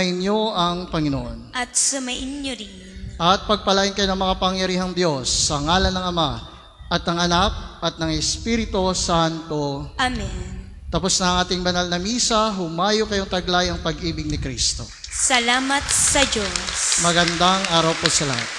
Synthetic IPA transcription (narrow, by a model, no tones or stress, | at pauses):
ʔɪnjo̞ʔɐŋpɐŋɪno̰ʔonʔɐt̪̚sʊmɐʔɪnɲoɾin | ʔɐt̪̚pɐɡ̚pɐlaːʔɪnkɐjo̞nɐŋmɐkapɐŋjɐɾiːɦɐŋd̪jo̞sːɐŋaːlɐnɐŋɐma | ʔɐt̪ɐŋɐnak̚ɐt̪̚nɐŋɛspiɾɪt̪o̞sant̪o̞ʔamɛn | t̪ɐposnɐɐŋʔaːt̪ɪŋbɐnalnɐmiːsɐɦʊmaːjokɐjoŋt̪ɐɡlajɐŋpɐɡʔiːbɪɡ̚nɪkɾḭst̪o̞̰sɐlaːmɐt̪̚sɐd͡ʒosmɐɡɐnd̪aŋʔaːɾɐwposɐlɐha̰t̪̚